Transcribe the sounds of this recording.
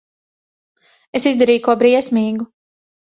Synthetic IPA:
esizd̪aɾiːjkuɔbɾiɛsmiːɡu

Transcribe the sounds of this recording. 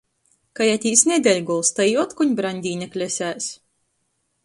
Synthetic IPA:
kajæt̪ʲiːsnʲɛd̪ʲɛlʲɡɔlˠst̪ajɔt̪kuɲʲbɾanʲd̪ʲiːnʲɛklʲɛsʲæːs

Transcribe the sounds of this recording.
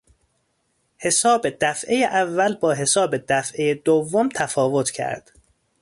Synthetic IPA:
he̞sɒːbe̞d̪̥æfʔe̞jeʔævːælbɒːɦe̞sɒːbe̞d̪æfʔejed̪ovːomt̪ʰæfɒːvo̞t̪ʰcʰæ̰ɾd̪̥

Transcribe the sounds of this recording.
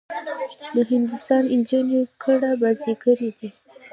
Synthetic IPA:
d̪əɦɪnd̪ʊst̪ɑnɪnd͡ʒinekʰəɽabaziɡəɾid̪i

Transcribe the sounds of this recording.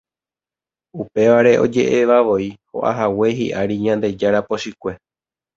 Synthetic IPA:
upe̞ʋaɾe̞ʔo̞̰d͡ʒe̞̰ʔe̞ʋaʋo̞iho̞̰ʔa̰ɦawe̞ɦḭʔaɾiɲãnd̪e̞d͡ʒaɾapo̞ʃikʷe̞

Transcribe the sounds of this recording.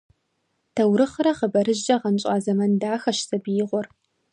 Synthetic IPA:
tʰɐwɾɨχrɐχəbɐɾɨʒd͡ʒʼɐʁɐnɕʼɑːzɐmɐndaːxɐʃsɐbijɪʁʷɔr

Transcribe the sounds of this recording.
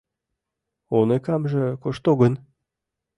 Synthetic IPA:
onekɑmʒĕkoʃt̪oɡə̆n

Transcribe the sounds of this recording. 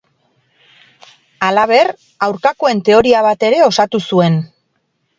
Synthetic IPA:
alaβ̞e̞r | awɾkako̞e̞nt̪e̞o̞ɾiaβ̞at̪e̞ɾe̞o̞sat̪usue̞n

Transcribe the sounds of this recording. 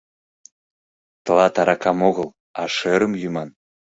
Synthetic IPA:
t̪əlɑt̪ɑɾɑkɑmoɣəl | ɑʃøɾəmjymɑn

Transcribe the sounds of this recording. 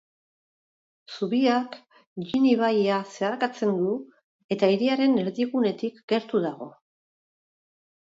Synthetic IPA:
suβiak | ʎiniβ̞ajase̞aɾkat͡se̞nd̪u | e̞t̪aiɾiaɾe̞ne̞ɾðiɣune̞t̪ikɡe̞ɾt̪uðaɣ̞o̞̰

